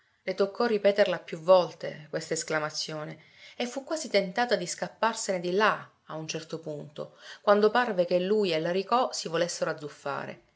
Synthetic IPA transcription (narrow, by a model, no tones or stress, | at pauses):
let̪okʰːɔrːipɛːt̪erlapːjuvːɔlt̪ḛkwest̪aesklamat̪sːjoːne | efːukːwaːzit̪ent̪aːt̪ad̪iskapːarsened̪ila | aunt͡ʃɛrt̪opunt̪o̰kwand̪oparvekelːujelːaɾikɔsivolesːeɾoad̪zːufːa̰ːɾḛ